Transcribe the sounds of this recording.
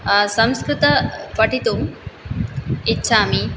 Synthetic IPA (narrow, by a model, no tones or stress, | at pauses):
sɐ̃mskɾut̪ɐpɐʈit̪um | itːɕʰami